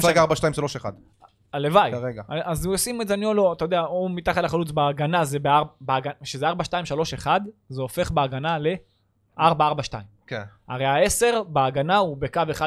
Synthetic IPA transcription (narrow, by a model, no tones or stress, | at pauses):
sʁeɡaaʁbaʃtajimʃalo̞ʃeχa̰d̪ | alevajeɡaaazosimezanjoloat̪ajod̪eaomit̪aχat̪laχalut͡sbeːɡanazebeabeaɡaʃezeaʁbaʃtaimʃalo̞ʃe̞χad̪zeofe̞χbeaɡanale̞ | aʁbaaʁbaʃta̰imkena̰ʁejae̞se̞ʁbeaɡanaubekaveχa